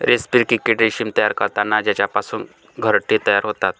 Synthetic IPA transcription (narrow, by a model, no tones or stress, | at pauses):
ɾʔespiːɾkikeʈɾiʃiːmt̪əjaɾkəɾt̪anad͡ʑat͡ɕapasuːn | ɡʱəɾʈːit̪əjaɾɦot̪at̪̚